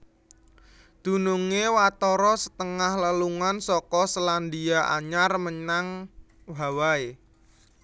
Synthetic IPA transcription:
d̪̥ṳnuŋewat̪ɔɾɔsə̥t̪əŋahləluŋansɔkɔsəland̪iaʔa̰ɲarməɲaŋ | wawae

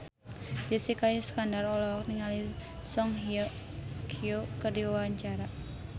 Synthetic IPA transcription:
d͡ʒəsikajiskandarɔlɔk̚niŋalisɔŋɦi | kʰiokərdiwawaɲt͡ʃaɾa

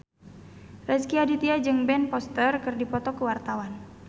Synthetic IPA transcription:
rɛskiadit̪iad͡ʒɨŋbɛnpɔst̪ərkɨrdipɔt̪ɔkəwart̪awan

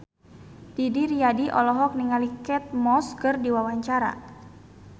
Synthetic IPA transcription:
d̥idiɾiadiʔɔlɔɦɔk̚niŋalikɛt̪̚mɔskərdiwawaɲt͡ʃaɾa̰

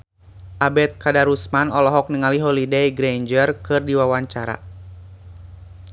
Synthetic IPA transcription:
ʔabɛt̪̚kadaɾusmanɔlɔɦɔk̚niŋaliɦɔlidejɡɾeɲd͡ʒərkɨrdiwawaɲt͡ʃaɾa̰

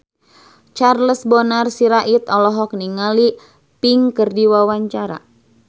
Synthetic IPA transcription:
t͡ʃarləsbɔnarsiɾaʔit̪ɔlɔɦɔk̚niŋali | piŋkərdiwawaɲt͡ʃaɾa̰

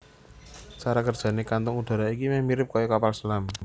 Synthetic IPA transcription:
t͡ʃaɾakərd̥ʒ̥a̤nekant̪ɔŋud̪̥a̤ɾaikimɛmiɾɪp̚kɔjɔkapalsəlam

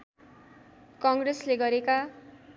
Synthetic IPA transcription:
kʌŋɡresleɡʌɾeka

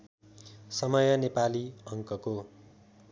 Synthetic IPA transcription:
sʌmʌjʌnepaliʌŋkʌko

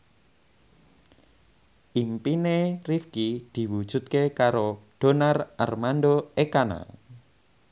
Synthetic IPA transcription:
ʔimpinerifkid̪̥i̤wud̥ʒ̥ṳt̪̚kekaɾoɖ̥o̤narʔa̰rmanɖoekana̰

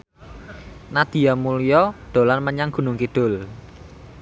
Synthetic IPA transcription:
nad̪̥i̤jamulijɔd̪̥o̤lanməɲaŋɡ̥ṳnʊŋkiɖ̪̥ʊ̤l

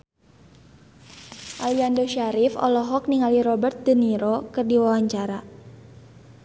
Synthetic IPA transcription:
ʔaliandoʃaɾifɔ̰lɔɦɔk̚niŋaliɾɔbərt̪̚dəniɾɔkɨrdiwawaɲt͡ʃaɾa

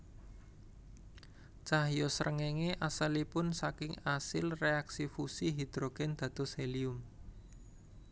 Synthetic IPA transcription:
t͡ʃahjosəɾəŋeŋeʔasəlipʊnsakɪŋasɪlreaksifusiɦid̪̥ɾoɡ̥ɛnd̪̥ä̤d̪̥ɔ̤seliʊm

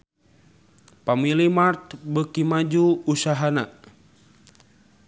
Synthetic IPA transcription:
pamilimart̪bəkimad͡ʒuːsaɦana

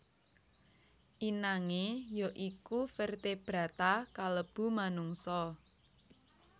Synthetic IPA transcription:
ʔinaŋejoʔikufərt̪eb̥ɾa̤t̪akaləb̥ṳmanuŋsɔ

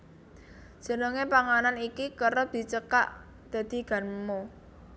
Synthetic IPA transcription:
d̥ʒ̥ə̤nəŋepaŋananikikəɾəd̪̥i̤t͡ʃəka̰ʔ | d̪̥ä̤d̪̥i̤ɡ̥a̤nmo

